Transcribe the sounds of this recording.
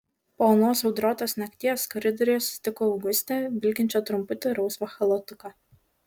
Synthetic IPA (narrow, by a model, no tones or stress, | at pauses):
pɔlˠnoːsɐʊd̪ɾoːt̪oːsnʲɐkʲt̪ʲiːɛskɐɾʲɪd̪ɔɾʲɪjɔːsʲt̪ʲɪkoɐʊɡʊsʲt̪ʲɛːbʲɪlʲkʲɪnʲt͡ʃʲoːt̪ɾʊmpʊt̪ʲɪɾɐʊsʋɐxɐlˠɔt̪ʊkɑ